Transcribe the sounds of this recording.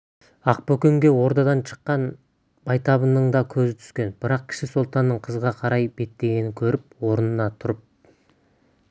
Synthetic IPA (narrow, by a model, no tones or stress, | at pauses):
ɑq̚pɵkʲeŋɡʲe̞wo̞ɾt̪ɑd̪ɑnʃʰə̥qːɑn | b̥ɑjt̪ɑβənəɴd̪ɑkʲʰɵzɪt̪ʰʏ̥skʲe̞nbɪɾɑq̚kʲʰɪ̥ʃɪsolˠt̪ɑnːəɴqʰəzʁɑqʰɑɾɑjbe̞t̪ːe̞ɡʲe̞nɪŋkʲʰɵɾɪpwo̞ɾənənɑt̪ʰʊɾəp̚